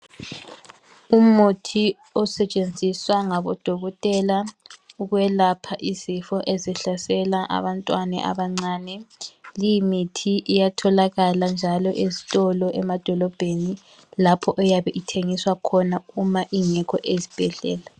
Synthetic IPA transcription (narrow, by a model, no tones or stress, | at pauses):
umutʰi | ɔsɛt͡ʃʼend͡zʱiswaŋaβɔ̰d̥ʱɔɣɔtʼɛlauɣwɛlapʰaʔizifɔʔezɛɬasɛlaʔa̰βantʼwanɛ̰ʔa̰βaŋ͡ǀaːnɛlijimitʰiʔijatʰɔlaɣaland͡ʒʱalɔʔezi̥tʼɔlɔʔɛmad̥ʱɔlɔb̥ʱeni | lapʰɔʔɔjaβɛʔitʰeŋiswakʰɔnaumaʔiŋɛkʰɔʔezib̥ʱɛɮɛ̰ːla